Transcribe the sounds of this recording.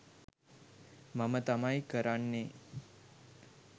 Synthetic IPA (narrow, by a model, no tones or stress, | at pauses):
məmət̪amajkəɾaɳːe